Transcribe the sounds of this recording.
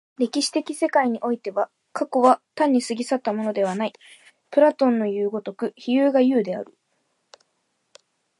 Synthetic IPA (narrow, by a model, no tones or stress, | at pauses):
ɾʲe̞kʲiɕi̥t̪e̞kʲise̞kaiɲ̟iʔo̞it̪e̞βa | kako̞βat̪ãɲ̟ːisɨɡʲisat̪ːamo̞no̞d̪e̞β̞anai | pɯ̟ɾat̪õ̞nːo̞jɯːɡo̞t̪o̞kɯ̟çijɯːɡajɯ̟ːd̪e̞a̰ɾɯ̟